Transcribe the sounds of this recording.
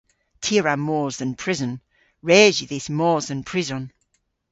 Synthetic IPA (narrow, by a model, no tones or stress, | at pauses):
tʰiəɹamɔːzðə̃npʰɹ̥ɪzə̃n | ɹeːziðɪsmɔːzə̃npʰɹ̥ɪzə̃n